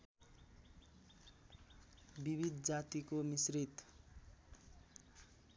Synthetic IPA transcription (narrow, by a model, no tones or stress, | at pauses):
bibʱid̪d͡zat̪ikomisrit̪